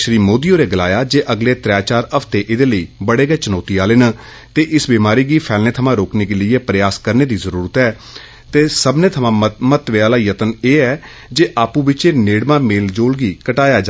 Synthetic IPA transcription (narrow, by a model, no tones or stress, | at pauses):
ʃɾiːmoːd̪ijõːɾeːɡəlaːjaːd͡ʒeːʔəɡleːt̪ɾɛːt͡ʃaːɾəpʰt̪eːʔɪd̪eːləiːbəɽeːɡɛːt͡ʃənɔːt̪iːaːleːnəː | t̪eːʔɪsbiːmaːɾiːɡiːpʰɛːlneːt̪ʰəmãːɾoːkneːkeləieːpɾəjaːskəɾneːd̪iːzəɾuːɾət̪ɛː | t̪eːsəbneːt̪ʰəmãːmət̪ʋeːaːlaːjət̪əneːɛː | d͡ʒeːʔaːpũːbɪt͡ʃeːneːɽmãːmeːld͡ʒoːlɡiːkəʈaːjaːd͡ʒa